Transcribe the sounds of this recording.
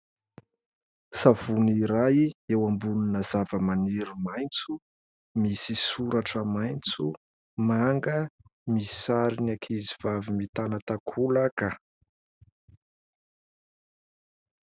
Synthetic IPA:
sav̥uniɾajiewambuninəzavəmaniɾumajnt͡su | misisuɾaʈ͡ʂəmajnt͡su | maŋɡəmisi̥saɾinakʰiziv̥avimit̪anət̪akʰulakə

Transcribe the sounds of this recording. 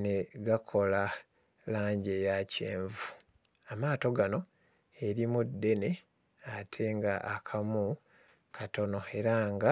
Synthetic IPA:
ne̞ɡakʰo̞la | laːɲɟe̞jace̞̰ːɱvu̥ | amaːto̞ɡano̞ | e̞ɾimudːe̞ne̞ | atʰe̞ŋɡaʔakʰamu | kʰato̞no̞e̞ɾaŋɡa

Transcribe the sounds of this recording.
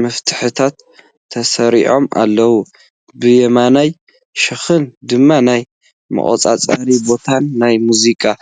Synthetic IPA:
mɐft̪ʰɨ̥ħɨt̪ʰat̪ʰː | ɐsɐɾiʕo̞ma̰lːɐwu | bɨjɛmanaj | ʃɨxɨnd̪ɨmːanaj | mɨ̰χʼo̰t͡sʼa̰t͡sʼaɾibo̞t̪ʰanːajmuzikʼa

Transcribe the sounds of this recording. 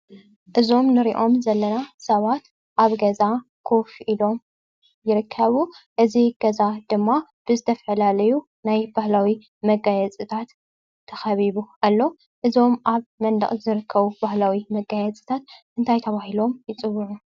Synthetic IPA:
ʔɨzo̞mnɨɾiʔo̞mzɐlːɐnasɐβat̪ | ʔaβɡɐzakʰo̞fʔilo̞m | jɪɾɨkʰːɐβuʔɨziɡ̥ɐzad̪ɨmːab̥ɨzɨt̪ʰɐfɐlalɐju | najbahlawi | mɐɡajɛt͡sʼɨt̪ʰat̪ʰː | ɐxɐβiβuʔalːo̞ | ʔɨzo̞mʔaβmɐnd̪ɐ̰χʼzɨɾɨkʰːɐβub̥ahlawimɐɡajɛt͡sʼɨ̥t̪ʰat̪ʔɨnt̪ʰajt̪ʰɐβahilo̞mjɪt͡sʼɨwuʕu

